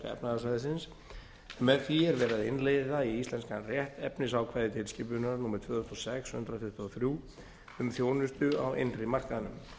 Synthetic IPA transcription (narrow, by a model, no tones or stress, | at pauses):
ɛ̰pnaðaslajðɪs̬ɪns | nmɛðθiɛɾvɛːɾaðɪnlejðaiist̪lɛnskarjɛht̪ɛpnɪsawkʰvaːjðɪt̪ʰɪlscɪːp̬ʏnaɾnuːmɛɾt̪v̥œːðst̪ɔsɛkshʏ̰nt̪ɾaθʏht̪ɔθɾjuː | ʏmθjoːwnʏst̪ʏawḛnrɪmar̥kaðanʏm